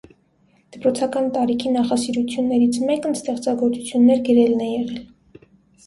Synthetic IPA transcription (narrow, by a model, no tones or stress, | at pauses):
d̪̥əpɾɔt͡sʰɑkɑnt̪ɑɾikʰinɑχɑsiɾut͡sʰjunːɛɾit͡sʰmɛkənst̪ɛχt͡sɑɡɔɾt͡sut͡sʰjunːɛɾɡəɾɛlnɛjɛʁɛl